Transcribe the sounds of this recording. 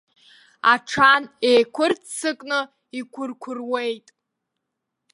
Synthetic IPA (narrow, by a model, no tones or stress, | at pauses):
aʈ͡ʂʰanejkʷʰʊrtʰsɨkʼnɨ | ikʷʰʊrkʷʰʊrwejtʼ